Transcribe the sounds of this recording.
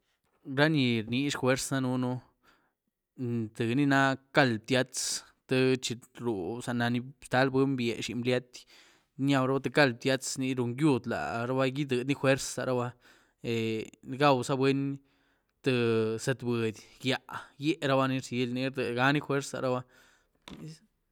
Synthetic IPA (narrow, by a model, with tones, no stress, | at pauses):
ɾa˦ni˧ɾni˧ʂxwe˦ɾsa˦nu˦nu˦ | t̪ɨ˨ni˦na˦ka˦˨lb̚t̪ʲja˦t͡s | t̪ɨ˧t͡ʃi˧ɾu˨sa˨na˧ni˧st̪a˦lbe˦mbjḛ˨ʃi˧mblja˦t̪ʲ | nja˧wɾa˦ba˦t̪e˧ka˦lb̚t̪ʲja˦t͡sni˧ɾu˧ŋɡju˧d̪la̰˨ɾa˦ba˦ji˦d̪ɨ˨d̪ni˦xwe˦ɾsa̰˧ɾa˦ba˦ | e˨˧ɡa˦wsa˦bwe˦n | t̪ɨ˧sa˧t̪bə˨d̪ʲɡja˧˨ʔje˦ʔɾa˦ba˦ni˧ɾse˦lni˧ɾd̪e˨ɡa˦ni˦xwe˦ɾsa̰˧ɾa˦ba˦